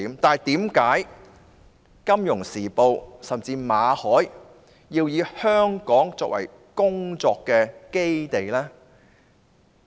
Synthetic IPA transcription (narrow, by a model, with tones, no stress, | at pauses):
mt̪aː˨˩jt̪iː˨˥mkaː˨˥j | kɐ˥mjʊ˨˩ŋsiː˨˩po˨˧wsɐ˨˩mt͡siː˧maː˨˧hɔː˨˥j | jiː˧wjiː˨˧hœː˥ŋkɔː˨˥ŋt͡sɔː˧k̚wɐ̰˨˩j | kʊ˥ŋt͡sɔː˧kːɛː˧ke˥jt̪e˨jlɛː˥